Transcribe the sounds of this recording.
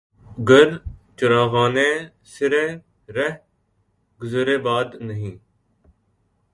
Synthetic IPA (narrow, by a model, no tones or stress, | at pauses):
ɡəɾt͡ʃʊɾaːɣaːnẽː | sɪɾẽː | ɾəɦ | ɡʊzɾeːbaːd̪nəɦĩː